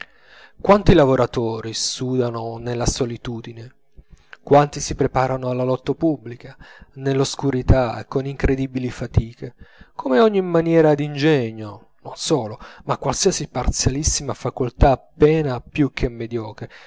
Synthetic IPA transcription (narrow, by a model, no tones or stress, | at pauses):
kwant̪ilavoɾat̪oːɾisuːd̪anonelːasolit̪uːd̪ine | kwant̪isipɾepaːɾanoalːalɔt̪ːapubːlikanelːoskuɾit̪aḛkːoniŋkɾed̪ibilifat̪iːkekomeɔɲːimːanjɛːɾad̪ind͡ʒɛɲːo | nonsɔːlomakwalsiːasipart̪sjalisːimafakolt̪aːpːɛːnapjuk̟ʰːemːed̪jɔːkɾe